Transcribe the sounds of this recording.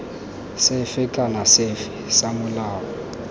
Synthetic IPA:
sɪfɪkʼanasɪfɪsamʊlaːɔ

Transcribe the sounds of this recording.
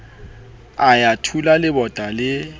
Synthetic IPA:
ajatʰulalɪbɔtʼalɪ

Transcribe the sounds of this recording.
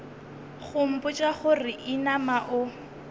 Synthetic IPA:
χʊm̩pʼʊt͡ʃʼaχʊrɪʔinamaʔʊ

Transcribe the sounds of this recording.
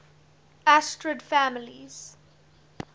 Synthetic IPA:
astɹədfæmɪliz̥

